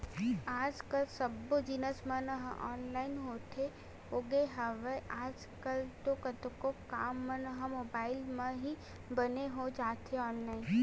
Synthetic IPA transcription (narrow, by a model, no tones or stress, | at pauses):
aːd͡ʒkəlsɐbod͡ʒinəsmə̃nəɦʔɔ̰ːnlaːɪnɦoːt̪ʰe | oːɡeɦəʋeʔaːd͡ʒ | kəlt̪okɐt̪kokaːmːə̃nəɦəmoːbaːɪlmẽɦi | bɐneɦod͡ʒaːt̪eɔːnlaːɪn